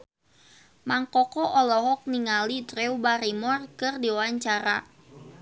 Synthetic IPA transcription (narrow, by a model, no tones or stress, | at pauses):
maŋkɔkɔʔɔlɔɦɔk̚niŋalit̪ɾeubaɾimɔrkɨrdiwwaɲt͡ʃaɾa̰